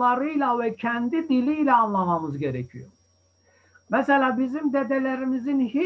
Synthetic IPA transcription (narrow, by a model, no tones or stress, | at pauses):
lˠɑɾɯlˠɑvæcʰænd̪id̪iliːlæɑnlˠɑmɑmɯzɟæɾecʰḭjo̰ɾ | mæsælæbizimd̪æd̪ælæɾimizinhe